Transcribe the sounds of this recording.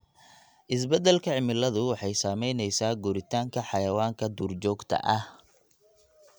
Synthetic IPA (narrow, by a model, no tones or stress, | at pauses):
ʔɪs̬bɛd̪ɛlkʰɐʕɪmɪlɐðʊwɑħɑjsaːmɛjnɛjsaːɡʊɾɪt̪ʰaːŋkʰɐħɑjɐwaːŋkʰɐd̪uːrt͡ʃɔːɡt̪ʰɐ̰ʔɐh